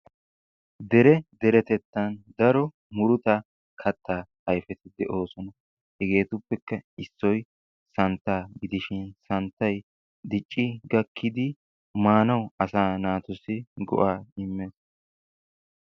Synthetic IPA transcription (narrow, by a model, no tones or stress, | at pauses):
d̪ɛɾɛd̪ɛɾɛt̪ɛt̪ːɐnd̪ɐɾɔ | mʊɾʊt̪ɐ | kʰɐt̪ːaː | ɐjfɛt̪ɪd̪ɛʔo̞ːsɔnɐ | hɛɡe̞ːt̪ʊpːɛkːɐɪsːɔj | sɐnt̪ːaːɡɪd̪ɪʃɪnsɐnt̪ːɐj | d̪ɪt͡ʃʼːɪɡɐkʰːɪd̪ɪ | maːnɐwɐsaːnaːt̪ʊsɪɡɔ̰ʔaːɪmːeːs